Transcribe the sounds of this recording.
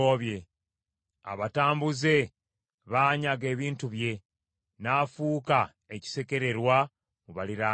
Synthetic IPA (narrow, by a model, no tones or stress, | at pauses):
oβje̞ | a̰βataːmbuze̞ | βaːɲaɡe̞ːβiːntuβje̞ | naːfuːka | eci̥se̞ke̞ɾe̞ɾwa | muβaliɾaː